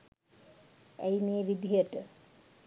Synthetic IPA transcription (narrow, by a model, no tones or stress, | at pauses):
æ̰jneːʋid̪ʱijəʈə